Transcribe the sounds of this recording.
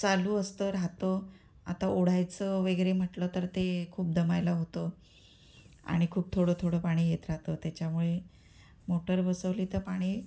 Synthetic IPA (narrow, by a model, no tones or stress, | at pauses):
t͡saluːəst̪əɾat̪o | a̰t̪aʔoɽ̤ajt͡səʋeɡɾem̤əʈlət̪əɾt̪ekʰuːp̚d̪əmajlaɦot̪ə | a̰ɽ̃ikʰuːb̚t̪ʰoɽət̪ʰoɽəpaɽ̃iːjet̪ɾaɦt̪ət̪jat͡ɕjamuɭe | moʈəɾbəsəʋliːt̪əpaɽ̃iː